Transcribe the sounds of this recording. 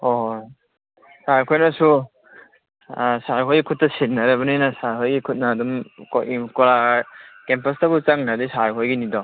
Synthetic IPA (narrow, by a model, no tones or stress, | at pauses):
ɔɦ | saɾkʰojnɐsu | saɾkʰojɡikʰut̚ːɐsit̚naɾɐbɐninɐsaɾkʰojɡikʰut̚nɐːdumkkɔɾakempɐstabut͡ʃaŋnadisaɾkʰojɡinidɔ